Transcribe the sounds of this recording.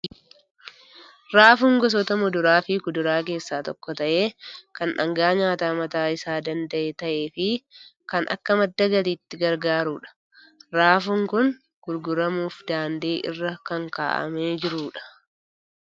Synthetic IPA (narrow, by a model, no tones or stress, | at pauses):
ɾaːfʊŋɡɔs̬ɔt̪ɐmɔd̪ʊɾaːfɪkʊd̪ʊɾaːk̬e̞ːsːaːt̪ɔkːɔt̪ɐʔe̞ːkɐnᶑɐ̰ŋɡaːɲaːt̪aːmɐt̪aːɪsaːd̪ɐnd̪ɐʔeːt̪ɐʔe̞ːfɪkɐnʔɐ̰kːɐmɐd̪ːɐɡɐliːt̪ːɪɡɐɾɡaːɾuːᶑɐ̥ | ɾaːfʊŋkʊŋ | ɡ̥ʊɾɡʊɾɐmuːfd̪aːnd̪eːʔɪ̰rːɐkɐŋka̰ːʔɐ̰meːd͡ʒɪɾuːᶑɐ̥